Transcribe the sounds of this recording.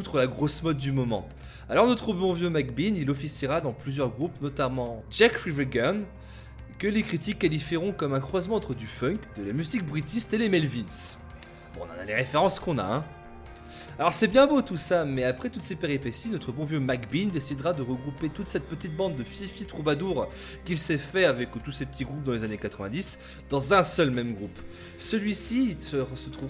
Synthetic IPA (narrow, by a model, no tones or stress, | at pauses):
ut̪χəlaɡʁosmɔd̪̚ːymɔmɑ̰̃ | alɔʁnɔt̪χəbɔ̃vjømakbinilɔfisiʁad̪ɑ̃plyzjœʁɡʁupnɔt̪amɑ̃d͡ʒakfivɛɡan | kəlekχit̪ikːalifiʁɔ̃kɔmɛ̃kχwazmɑ̃ɑ̃t̪χəd̪yfœ̃kd̪əlamyzik̚bʁit̪ist̪elemɛlvins | bɔ̰̃ːnɑ̰̃na̰leʁefeʁɑ̃skɔ̃na̰ɛ̰̃ | alɔʁsɛbjɛ̃bot̪usamɛapχɛt̪ut̪sepeʁipesinɔt̪χəbɔ̃vjømakbind̪esid̪ʁad̪əʁəɡʁupet̪ut̪sɛt̪̚pət̪it̪̚bɑ̃d̪ːəfifit̪χubad̪uʁ | kʲilsɛfɛavɛkt̪usepət̪iɡʁup̚d̪ɑ̃lezanekat̪χəvɛ̃d̪is | d̪̥ɑ̃zɛ̃sœlmɛmɡʁup | səlɥisisəʁsət̪χuv